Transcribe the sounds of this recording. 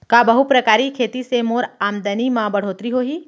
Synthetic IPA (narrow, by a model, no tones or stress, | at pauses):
kabɐɦupɾɐkaːɾikʰeːt̪isemoːɾaːmd̪ənimãbɐɽ̤oːt̪ɾiɦoːɦiː